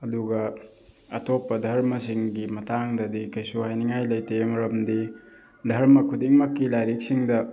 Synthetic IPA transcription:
ɐduɡɐ | ɐtopːɐdʱɐɾmɐsiŋɡimɐtaŋdɐdikɐjsuɦajniŋajlɐjtemɐɾɐmdi | dʱɐɾmɐkʰudiŋmɐkːilajɾik̚siŋdɐ

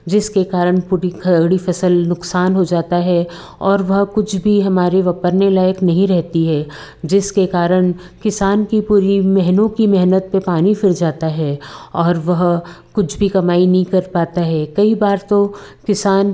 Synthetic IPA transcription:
d͡ʒɪskekaːɾəɽ̃puːɾikʰɐɽifɐsəlnʊksaːnɦod͡ʒaːt̪aɦɛ | ɔːɾʋɐɦkʊt͡ʃʰbʱiɦɐmaːɾeʋɐpəɾnelaːjəknɐɦĩɾɛɦt̪iɦɛː | d͡ʒɪskekaːɾəɽ̃ | kɪsaːnkipuːɾimɛɦnõkimɛɦnət̪̚pepaːnĩfɪɾd͡ʒaːt̪aɦɛɔːɾʋɐɦ | kʊt͡ʃʰbʱikɐmaːinɐɦĩkɐɾpaːt̪aɦɛːkɐibaːɾt̪okɪsaːn

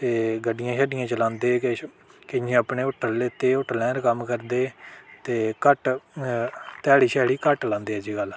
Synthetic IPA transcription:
t̪eːɡəɖːɪjãːʃɛːɖɪjãːt͡ʃəlãːnd̪eː | kɪãəpɳeːʊʈʰːəɾleːt̪eːʊʈːəlɛ̃ːɾkəmkəɾd̪eːt̪eːkəʈ | t̪ɛːɽiːʃɛːɽiːkəʈlãːnd̪eːɦɛːd͡ʒiːɡəl

